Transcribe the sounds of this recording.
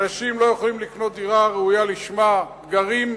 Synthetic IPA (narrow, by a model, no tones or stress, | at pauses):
aʃimlo̞joχolimlikno̞t̪iʁaʁeujaliʃma | ɡaʁim